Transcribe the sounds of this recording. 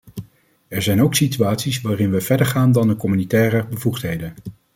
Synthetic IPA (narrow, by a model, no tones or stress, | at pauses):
ɛɹzɛjnowksityaːtsisʋaːrɪnʋəv̥ɛɹdəɹχaːndɑndəkɔmynitɛːrəbəvuχtɦejdən